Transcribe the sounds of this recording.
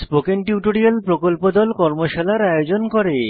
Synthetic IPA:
spokeŋʈiuʈoɾialpɾokolpod̪ɔlkɔɾmoʃalaɾajod͡ʑonkɔɾe

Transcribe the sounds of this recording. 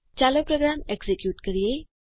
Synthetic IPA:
t͡ɕaləpɾoɡɾameksekjuːʈkəɾije

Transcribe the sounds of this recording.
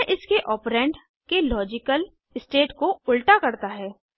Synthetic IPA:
ʔɪskeʔɔːpɾɛ̃ːɳɖ | kelɔːd͡ʒɪkəl | ɪsʈeːʈkoʊlʈakɐɾt̪aɦɛː

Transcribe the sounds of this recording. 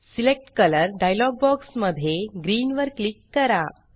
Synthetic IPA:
silek̚ʈkələɾɖajlɔɡ̚bɔksməd̪ʱjeɡɾiːnʋəɾklikːəɾa

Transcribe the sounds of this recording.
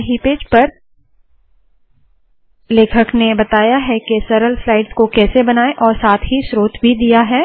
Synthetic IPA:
ɦipeːd͡ʒpɐɾ | leːkʰəknebɐt̪aːjaɦɛkesɐɾəlflaːɪɖskokɛːsebɐnaːeʔɔːɾsaːt̪ʰɦisɾoːt̪bʱid̪ijaɦɛː

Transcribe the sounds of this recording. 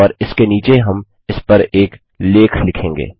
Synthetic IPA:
ɔːɾɪskeniːt͡ʃeɦɐm | ɪspɐɾeːk | leːkʰlɪkʰẽːŋɡḛː

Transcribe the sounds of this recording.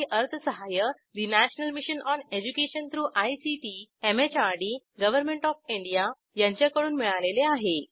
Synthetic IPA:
ʔəɾt̪ʰəsəɦajə | ɾinæɕnəlmiɕənʔɔned͡ʑukeɕənt̪ɾuːʔajsiʈiemet͡ɕaɾɖi | ɡəʋəɾmeɳʈɔfiɳɖija | jãɲt͡ɕjakəɽuːnmiɭaleleaɦe

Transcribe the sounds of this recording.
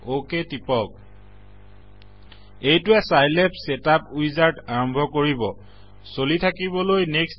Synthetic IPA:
oketipɔk̚ | ejtʊɛsajlɛpsɛtap̚ujzaɹtaɹɔmbʱɔkoɹibɔ | solitʰakiβɔlojneks

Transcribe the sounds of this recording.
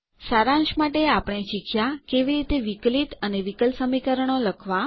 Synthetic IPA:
saɾãnʃmaʈeapəɽ̃eʃikʰjakeʋiɾit̪eʋiklit̪əneʋikəlsəmikəɾəɳ̃oləkʰʋa

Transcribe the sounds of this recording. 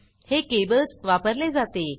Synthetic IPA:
hekebət͡sʋapəɾled͡zat̪e

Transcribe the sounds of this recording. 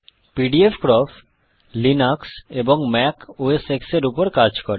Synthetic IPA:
piɖiefkɾɔf | linakseboŋmɛkoesekseɾupoɾkad͡ʑkoɾe

